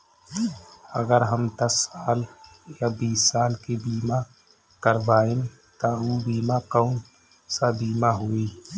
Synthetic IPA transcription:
ə̰ɡəɾɦəmd̪əsaːljabiːsaːlkebiːma | kəɾbaːen | t̪auːbiːmakɔʊn | sabiːmaɦuiː

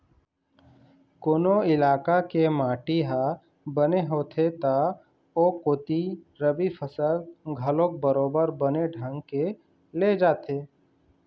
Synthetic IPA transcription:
koːnoɪlaːkakemaːʈiɦa | bəneɦoːt̪ʰet̪a | oːkot̪i | ɾəbipʰəsəlɡʱəlõk̚bəɾoːbəɾbəneɖʱə̃ŋɡke | led͡ʒaːt̪ʰeː

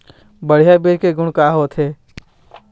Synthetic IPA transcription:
bəɽ̤ijabeːɾkeɡʊɽ̃kaːɦoːt̪ʰeː

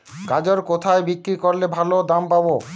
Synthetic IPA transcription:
kad͡ʑoɾkot̪ʰaebikɾikoɾlebʱalod̪ampabo

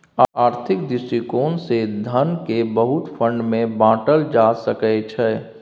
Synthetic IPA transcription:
aːɾt̪ʰɪkd̪ɪsikoːnsed̪ʱənkebəɦut̪pʰə̃ɳɖmẽbãːʈəld͡ʒasəkɛt͡ʃʰɛ

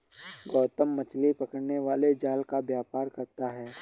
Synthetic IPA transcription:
ɡɔːt̪əmːɐt͡ʃlipɐkəɽneʋaːled͡ʒaːlkabjaːpaːɾkɐɾt̪aɦɛː

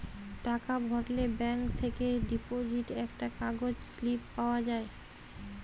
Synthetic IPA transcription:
ʈakabʱɔɾlebɛŋkt̪ʰekeɖipod͡ʑiʈɛkʈakaɡod͡ʑslipːaoad͡ʑae

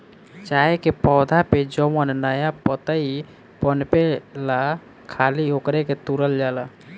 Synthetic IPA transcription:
t͡ʃaekepɔwd̪ʱaped͡ʒəmənnəjapət̪əi | pənpela | kʰaliokɾeket̪uɾəld͡ʒala

